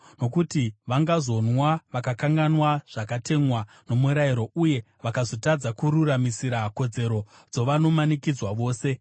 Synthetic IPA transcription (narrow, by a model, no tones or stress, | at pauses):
no̞kutiʋaŋɡazo̞nwaʋakakaŋɡanwaʐ̥akate̞ŋwa | no̞muɾaiɾo̞uje̞ | ʋakazo̞tad͡zakuɾuramisiɾako̞d͡ze̞ɾo̞ | d͡zo̞ʋano̞manikid͡zwaʋo̞ːse̞